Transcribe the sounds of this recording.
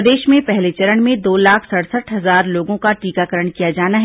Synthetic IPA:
d̪eːʃmẽpɛɦlet͡ʃɐɾəɽ̃mẽd̪oːlaːkʰsɐɽsəʈʰɦɐzaːɾloːɡõkaʈiːkakəɾəɽ̃kijad͡ʒaːnaɦ

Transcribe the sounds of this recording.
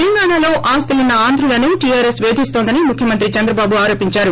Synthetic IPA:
ɛlɐŋɡaːɳaːlo̞ːʔaːst̪ɐlinɐaːnd̪ʱɾulɐnuʈijaːɾesʋe̞ːd̪ʱist̪o̞ːnd̪ɐnimukʰjɐmɐnt̪ɾit͡ʃɐnd̪ɾɐbaːbuaːɾo̞ːpiɲt͡ʃaːɾu

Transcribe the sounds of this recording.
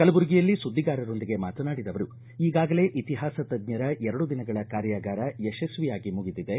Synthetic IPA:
kɐlɐbuɾɡijɐlːisud̪ʱːiɡaːɾɐɾo̞nd̪iɡe̞maːt̪ɐnaːɽid̪ɐʋɐɾu | iːɡaːɡɐle̞ːʔit̪iɦaːsɐt̪ɐd̪ɲɐɾɐʔɛɾɐɽud̪inɐɡɐɭɐkaːɾjaːɡaːɾɐeʃɐsʋijaːɡimuɡid̪id̪e̞

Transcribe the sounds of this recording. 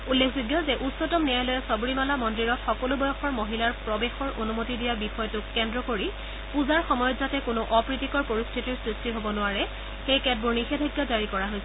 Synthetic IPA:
ulːekʰzuɡjɔzɛʔutsɔtɔmnɛjajlɔjɛsɔbuɹimalamɔndiɹɔtxɔkɔlubɔjɔxɔɹmoɦilaɹpɹɔbexɔɹʔonumotidijabixɔjɔtʊkːɛndɹɔkoɹi | puzaɹxɔmɔjɔtzatɛkʊnʊʔɔpɹitikɔɹpoɹistʰitiɹsɹistiɦobɔnʊwaɹɛ | xejkɛd̚buɹnixɛdʱɔjɡːazaɹikɔɹaɦojsɛ

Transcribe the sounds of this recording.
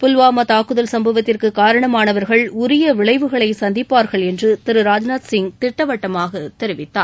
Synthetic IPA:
pʊlʋaːmɐt̪aːkɯðɐlsɐmbɐʋɐt̪ːɪrkɯkaːɾɐɳɐmaːnɐʋɐɾɣɐɭʊɾɪjɐʋɪɭɐɪʋɯɣɐɭɐɪsɐnd̪ɪpːaːɾɣɐɭɛndrɯt̪ɪɾɯɾaːd͡ʒnaːt̪sɪŋt̪ɪʈːɐʋɐʈːɐmaːɣɐt̪ɛɾɪʋɪt̪ːa̰ː

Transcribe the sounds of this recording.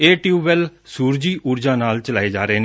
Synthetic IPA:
eːʈiuːʋɛlsuːɾd͡ʒiːʔʊːɾd͡ʒãːnaːlt͡ʃəlaːeːd͡ʒaːɾeeːne

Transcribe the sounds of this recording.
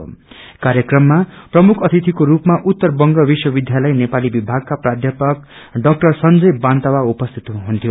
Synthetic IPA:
kaɾjʌkrʌmːaprʌmukʰʌt̪ʰit̪ʰikoɾupmaʔut̪ːʌrbʌŋɡʌbiswʌbid̪ʱjalʌjnepalibibʱaɡ̚kaprad̪ʱjʌpʌk̚ | ɖʌk̚ʈʌrsʌnd͡zʌjbant̪awaupʌst̪ʰi̥t̪ɦunt̪ʰijo

